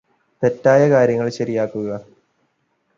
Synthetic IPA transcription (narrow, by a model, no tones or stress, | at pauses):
t̪etːaːjɐkaːɾjɐŋːɐɭɕɐɾijaːkːuɣɐ